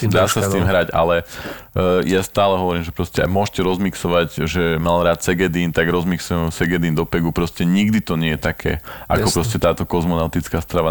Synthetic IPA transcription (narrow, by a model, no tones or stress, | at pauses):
d̪aːssast̪iːmɦɾaɟa̰lɛ | jast̪aːlɛɦɔʋɔɾiːmʒɛpɾɔscɛa̰mʊɔʃcɛɾɔzmiksɔʋaɟʒɛmalɾaːt̪sɛɡɛd̪iːnt̪aɡɾɔzmiksujɛsɛɡɛd̪iːnd̪ɔpɛɡupɾɔscɛɲiɡd̪it̪ɔɲɪɛjɛt̪akʰɛ̰ːʔa̰kɔpɾɔscɛt̪aːt̪ɔkɔzmɔnaʊt̪it͡skaːst̪ɾaʋa